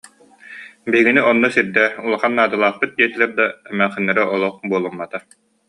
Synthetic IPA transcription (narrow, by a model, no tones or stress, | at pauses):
biɦiɡiniɔnːɔsiɾd̪ɛulˠaχanːaːd̪ɯlˠaːχpɯt̪̚d̪iɛt̪ilɛɾd̪aɛmæχinːɛɾaʔɔlˠɔχbuɔlˠumːat̪a